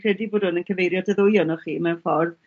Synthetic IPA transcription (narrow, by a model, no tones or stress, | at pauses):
kʰr̥ɛdibʊːd̥hʊnənkʰəvejɾjɔdəðʊjɔnɔχiːmɛnfɔrv